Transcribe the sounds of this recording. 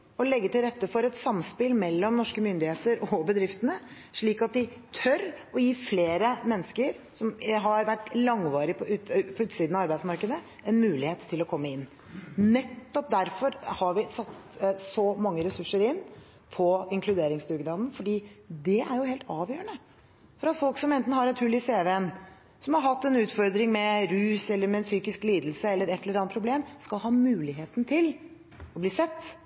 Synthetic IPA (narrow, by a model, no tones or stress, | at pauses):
ɔlɛɡːət̪ɪlɾɛt̪ːəfɔɾɛt̪sɑmspɪlmɛlːɔmnɔʂkəmʏnd̪ɪheːt̪əɾɔbəd̪ɾɪft̪ənə | ʂɭiːkɑt̪̚d̪ɪt̪ʰœɾɔjiːfleːɾəmɛnːəskəɾ | sɔmɦɑɾʋæʈːlɑŋʋɑːɾɪpʰɔʉpʰɔʉːt̪siːd̪nɑɑɾbæɪsmɑɾkəd̪ə | ɛnmʉːlɪheːt̪ʰːɪlɔkʰɔmːəɪnː | nɛt̪ːɔp̚d̪æɾfɔɾhɑɾʋɪsɑt̪ːsɔmɑŋːəɾɛsʉʂːəɾɪn | pʰɔɪŋkʰlʉd̪eːɾɪŋsd̪ʉɡnɑːd̪nfɔɖiːd̪ɛʔæɾjʊheːlt̪ɑːʋjøːəɳə | fɔɾɑt̪fɔlksɔmɛnt̪n̩hɑɾɛt̪hʉlːɪseːʋeən | sɔmhɑɾɦɑt̪ːɛnʉːt̪fɔɾd̪ɾɪŋmɛɾʉːsɛlːəɾmɛːnsyːkɪskliːd̪l̩səɛlːəɾɛt̪ːɛləɾɑn̚pʰɾʊbleːmskɑlɦɑːmʉːlɪɦeːt̪nt̪ʰɪl | ɔbliːsɛt̪ː